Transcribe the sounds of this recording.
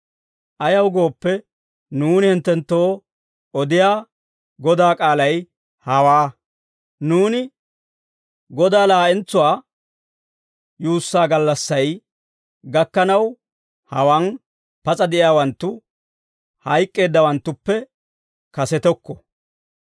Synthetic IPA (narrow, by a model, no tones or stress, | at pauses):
ʔɐjɐwɡo̞ːpːɛ | nuːnɪhɪnt̪ːɛnt̪ːo̞ː | ɔd̪ɪjaː | ɡɔd̪aːkʼaːlɐj | hɐwaː | nuːnɪ | ɡɔd̪aːlaːʔɛnt͡sːʊwaː | juːsːaːɡɐlːɐsːɐj | ɡɐkːɐnɐw | hɐwan | pɐt͡sʼɐd̪ɛʔɪjaːwɐnt̪ːʊ | hɐjkʼːe̞ːd̪ːɐwɐnt̪ːʊpːɛ | kɐsɛt̪ɔkːɔ